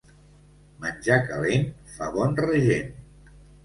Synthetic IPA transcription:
mənʲd͡ʒakəlenfaβɔnrəʒen

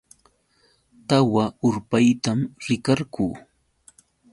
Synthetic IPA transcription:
t̪awaʊɾpajt̪amɾɪkaɾkuː

